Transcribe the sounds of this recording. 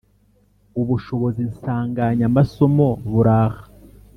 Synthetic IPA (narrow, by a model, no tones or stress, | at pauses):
uβuʃo̞βo̞zinsaːŋɡaɲamaso̞mo̞βuɾaːhḁ